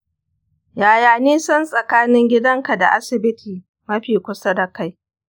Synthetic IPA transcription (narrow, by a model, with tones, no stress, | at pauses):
jaː˨jaː˨niː˦sɐ˦nsʼɐ˨kaː˦nɪ˦ŋɡʲɪ˦dɐ˦ŋka˨da̰˨ʔa˦sɪ˨bɪ˦tʰiː˨ | mɐ˦ɸiː˨kʷʊ˦sa˦dɐ˨ka˦j